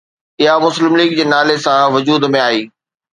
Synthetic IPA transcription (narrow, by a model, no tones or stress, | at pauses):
ɪɦamʊslɪmliːɡ̚d͡ʑeːnaːlesãʋʊd͡ʑuːd̪mẽaːiː